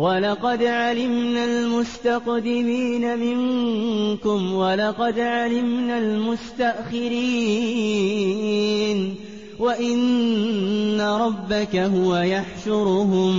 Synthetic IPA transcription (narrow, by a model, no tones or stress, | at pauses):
wɑlɑqɑd̪ʕalɪmnalmʊst̪aqd̪ɪmiːnamɪŋ | kʊmwɑlɑqɑd̪ʕalɪmnalmʊst̪aʔxɪɾiː | n | waʔɪnː | aɾˤɑbːakaɦʊwajaħʃʊɾɦʊm